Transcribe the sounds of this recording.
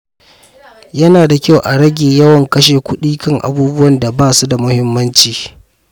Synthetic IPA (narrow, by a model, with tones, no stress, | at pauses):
jɐ˦naː˨da˨kʲa˦wʔa˨ɽɐ˦ɡʲeː˨jɐ˦wɐ˨ŋkɐ˦ʃeː˨kʷʰʊ˦ɗiː˦kɐ˦ŋʔa̰˨buː˦bʊ˦wɐ˨nda˨baː˦˨su˦da˨mʊ˦hɪ˦mːɐ˦nt͡ʃiː˨